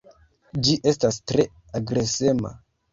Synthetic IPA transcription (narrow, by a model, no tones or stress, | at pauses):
d͡ʒiʔe̞stastɾe̞ | aɡɾe̞sema̰